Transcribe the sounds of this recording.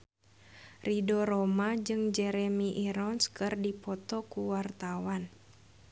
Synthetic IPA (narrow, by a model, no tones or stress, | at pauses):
ridɔɾɔmad͡ʒɨŋd͡ʒɛɾɛmiʔiɾɔnskɨrdipɔt̪ɔkuwart̪awan